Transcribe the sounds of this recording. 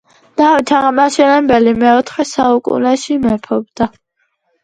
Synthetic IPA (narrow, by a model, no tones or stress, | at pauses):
d̪̥avit̪ʰaʁmaʃɛnɛbɛlimɛɔt̪ʰχɛsaukʼṵnɛʃimɛpʰɔb̚d̪̥a